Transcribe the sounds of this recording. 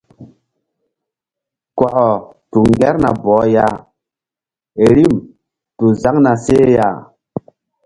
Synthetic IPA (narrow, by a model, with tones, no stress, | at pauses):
kwa˨ʔɔ˨ | tu˨ŋɡɛ˦ɾna˨bɔː˨˦ja˦˨ | e˨ɾi˦˨m | tu˨za˦ŋna˨se˦ja˦˨